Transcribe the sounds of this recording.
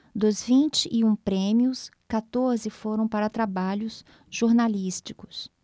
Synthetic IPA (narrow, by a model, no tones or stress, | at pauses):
d̪ʊzvĩnt͡ʃɪʔːũpɾẽmiʊskat̪oɾzɪfoɾɐ̃w̃paɾɐt̪ɾabaʎʊs | ʒ̥oɾnalist͡ʃikʊ̥s